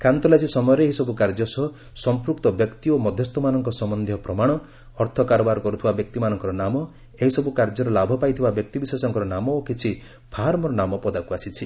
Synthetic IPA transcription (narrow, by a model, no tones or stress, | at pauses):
kant̪ɔlasisɔmɔjɔɾeeɦisɔbukaɾd͡ʒɔsɔɦ | sɔmpɾukt̪ɔbjɔkt̪iomɔd̪ʱjɔst̪ɔmanɔŋkɔsɔmɔnd̪ʱjɔpɾɔmaɽ̃ɔː | ɾt̪ʰɔkaɾɔbaɾɔkɔɾut̪ʰibabjɔkt̪imanɔŋkɔɾɔnamɔ | eɦisɔbukaɾd͡ʒɔɾɔlabʱɔpajt̪ʰibabjɔk̚t̪ibisesɔŋkɔɾɔnamɔokit͡ʃʰi | pʰaɦaɾmɔɾɔnamɔpɔd̪akuasit͡ʃʰi